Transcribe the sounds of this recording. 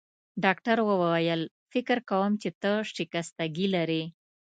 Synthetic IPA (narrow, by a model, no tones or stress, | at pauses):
ɖɑkʈaɾwəwawajəl | fɪkɾkawəmt͡ʃet̪əʂʈikast̪aɡilaɾe